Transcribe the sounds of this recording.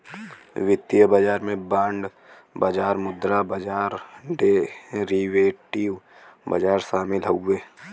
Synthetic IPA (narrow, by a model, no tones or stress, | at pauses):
ʋɪt̪jəbəd͡ʒaːɾmẽbãːɳɖ | bɐd͡ʒaːɾmʊd̪ɾabɐd͡ʒaːɾɖeɾiʋeːʈiʋ | bɐ̰d͡ʒaːɾsaːmɪlɦoeː